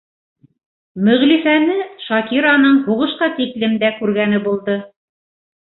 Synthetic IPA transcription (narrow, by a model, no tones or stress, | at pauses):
mɵ̆ʁlifænɘʃɑkiɾɑnɤɴhuʁɤ̆ʃqɑt̪iklɘmd̪ækʉɾɡænɘbulˠd̪ɤ